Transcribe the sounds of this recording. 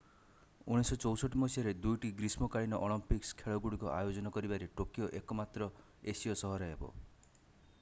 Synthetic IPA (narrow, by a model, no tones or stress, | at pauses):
uɽ̃isɔt͡ʃɔwsɔʈːimɔsiaɾed̪ujʈiɡɾismɔkaɭinɔʔoɭɔmpikskʰeɭɔɡuɽikɔʔa̰jod͡ʒɔnɔkɔɾibaɾeʈokjoʔekɔmat̪ɾɔ | esiɔsɔɦɔɾɔebɔ̰